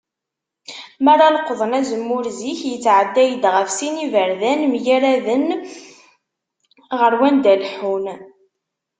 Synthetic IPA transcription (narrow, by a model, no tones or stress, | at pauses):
mæɾˤɑləqːðˤənæzəmːʊɾziçjət͡sːʕəd̪ːæjəd̪ʁəfsinivəɾðænmjæɾæðən | ʁəɾwænd̪ælħun